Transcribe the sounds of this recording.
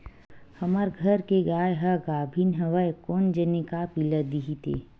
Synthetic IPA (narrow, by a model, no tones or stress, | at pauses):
hɐmaɾɡʱɐɾkeɡaːjɦɐɡaːbʱinɦɐʋəjkɔːnd͡ʒənikapiləd̪iɦit̪ḛː